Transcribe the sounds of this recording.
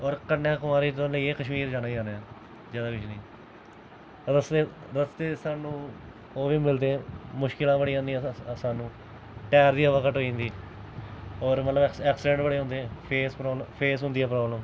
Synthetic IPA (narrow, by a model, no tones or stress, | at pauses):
ɔːɾkənːjãːkʊmaːɾiːt̪ːləiːeːkəʃmiːɾd͡ʒaːnaːid͡ʒaːnːɛː | d͡ʒaːd̪aːkɪt͡ʃniː | ɾəst̪eːɾəst̪eːsaːnũː | oːʋiːmɪld̪eːɛ̃ːmʊʃkɪlãːbəɽiːãːnd̪iːɛ̃saːnũː | ʈɛːɾd̪iːəʋəkəʈɦoːĩːnd̪iː | ɔːɾmət̪ləbɛːksɪɖɛ̃ɳʈbəɽeːɦʊ̃nd̪eːɛ̃ːpʰeːspɾoːbləpʰeːsɦʊ̃nd̪iːɛːpɾɔːbləm